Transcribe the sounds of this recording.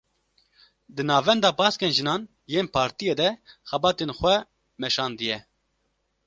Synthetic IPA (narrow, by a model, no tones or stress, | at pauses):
d̪ɨnɑːvɛnd̪ɑːbɑːskeːnʒɨnɑːn | jeːnpʰɑːɾt̪ijeːd̪ɛxɛbɑːt̪eːnxʷwɛ | mɛʃɑːnd̪ɨjɛ